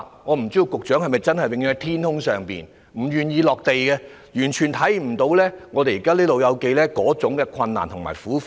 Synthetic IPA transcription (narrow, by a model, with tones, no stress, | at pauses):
ŋɔː˨˧m̩˨˩t͡si˥ji˧wkʊ˨k̚t͡ʃœː˨˥ŋhɐ˨jmɐ˨˩jt͡sɐ˥nhɐ˨jwɪ˧ŋjy˧˥ŋɐ˨˥t̪ʰiː˥nt̪ʊ˥ŋsœː˨ŋpḭː˨˩n | m̩˨˩jyː˨njiː˨˧lɔː˨k̚t̪e˨jkɛ˧ | jyː˨˩nt͡ʃʰyː˨˩nt̪ʰɐ˨˥jm̩˨˩t̪o˨˧˥wlɛː˥ŋɔː˨˧t̪e˨jiː˨kaː˥liː˥lo˨wjɐ˨˧wke˧jlɛː˥kɔː˨˥t͡sʊ˨˧˥ŋkɛː˧kʰɐ˧nːa̰ː˨˩nt̪ʰʊ˨˩ŋma̰ː˨˩jfuː˨˥